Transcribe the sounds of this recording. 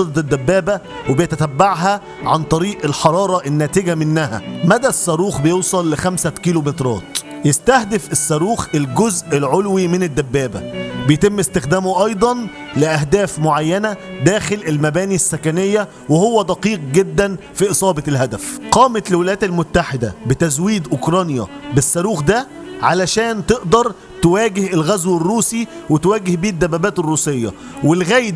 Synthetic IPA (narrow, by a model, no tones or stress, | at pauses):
d̪ɑt̪ed̪ːæbːæːbæ | webɪjæt̪æt̪æbːaʕɦæ | ʕant̪ˤɑɾiːʔelħɑɾˤɑːɾˤɑʔɪnːæːt̪ɪɡæmɪnːæhæ̰mæd̪æsːæɾuːxbejeːsˤɑlːɪxæmsækiːlomet̪ɾˤɑ̰ːt̪ | jest̪æhd̪ɪfesːæɾuːxelɡozʔelʕolwimɪnɪd̪ːæbːæːbæ̰bejt̪ɪmːɪst̪ɪxd̪æːmoʔɑjd̪ˤɑn | lɪʔæɦd̪æːfmoʕajːænæd̪æːxɪlʔelmæbæːnisːækænejːæ | wehowːæd̪ɑqiːq̚ɡed̪ːænfiːʔɨsˤɑːbɑlhæd̪æfqɑːmæt̪lwɪlæjæːt̪elmʊt̪ːaħɪd̪æ̰bɪt̪æzwiːd̪ʔokɾˤɑːnjæ̰bɪsːɑɾuːxd̪æ | ʕalæʃæːnt̪eʔd̪ɑɾˤ | t̪ewæːɡɪhelɣæzwerːuːsi | wet̪wæːɡɪhbiːd̪ːæbːæbæːt̪ɪrːuːsejːɑ̰ | wɪlɣæjd̪